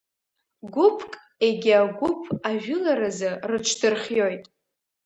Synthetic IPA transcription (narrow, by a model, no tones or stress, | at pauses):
ɡʷʊpʰkʼ | eɡʲɪaɡʷʊpʰaʒᶣʊlaɾazɨrɨt͡ʃʰdɨrχʲjo̞jtʼ